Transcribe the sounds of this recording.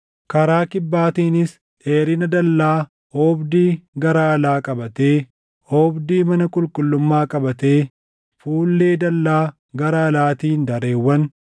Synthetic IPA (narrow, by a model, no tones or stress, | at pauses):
kɐɾaːkɪbːaːt̪iːnɪs | ʔeːɾɪnɐd̪ɐlːaː | oːbd̪iːɡɐɾaːɐlaːkʼɐbɐt̪eː | hoːbd̪iːmɐnɐkʼʊlkʼʊlːʊmːaːkʼɐbɐt̪e̞ː | fuːlːeːd̪ɐlːaː | ɡɐɾɐːlaːt̪iːnd̪ɐɾeːwːɐn